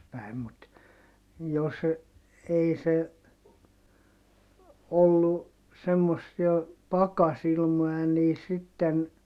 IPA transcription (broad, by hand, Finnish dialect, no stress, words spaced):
pæi̯m mut jos ei se olːu semːosːiɑ pɑkɑsilmoj̆ɑ niː sitːen